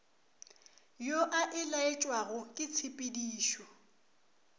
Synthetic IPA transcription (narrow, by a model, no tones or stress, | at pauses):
joʔaʔɪlaet͡ʃʼwaɣʊkʼɪt͡sʰɪpʼediːʃɔ